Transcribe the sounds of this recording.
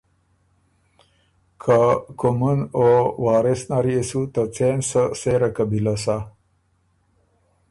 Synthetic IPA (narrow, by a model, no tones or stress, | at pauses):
kʰakumunowaːɾesnaɾiesut̪ət͡sensəseɾakabilasa